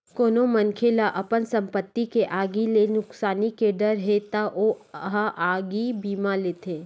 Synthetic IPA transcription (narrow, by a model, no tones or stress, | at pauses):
koːnomɐnkʰelaʔɐpənsɐ̃mpət̪ːikeʔaːɡilenʊksaːnikeɖəɾɦet̪aʔoəɦaʔaːɡibiːmaleːt̪eː